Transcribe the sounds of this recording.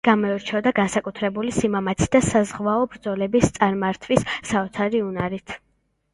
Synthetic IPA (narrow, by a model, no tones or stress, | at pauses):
ɡ̥amɔɛɾt͡ʃʰɛd̪aɡansakʼut̪ʰɾɛbulisimamat̪sʰi̥d̪asazʁvaɔbɾd̪zɔlɛbist̪sʼaɾmaɾt̪ʰvisːaɔt̪sʰaɾiunaɾit̪ʰ